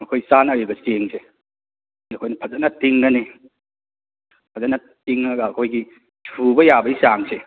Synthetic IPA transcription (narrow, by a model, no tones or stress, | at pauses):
ɐkʰojsanɐɾibɐseŋse | iɐkʰojnɐpʰɐzɐnɐtiŋɡɐni | pʰɐzɐnɐ | tiŋɐɡɐːkʰojɡi | sʰubɐjabɐisaŋse